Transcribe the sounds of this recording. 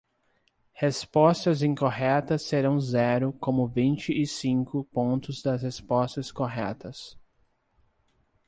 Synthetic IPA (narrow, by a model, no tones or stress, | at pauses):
hespɔst̪ɐzĩkoɦɛt̪ɐsːeɾɐ̃w̃zɛɾʊkõmʊvĩnt͡ʃɪʔɪsĩŋkʊpõnt̪ʊzd̪ɐshespɔst̪ɐskoɦɛt̪ɐs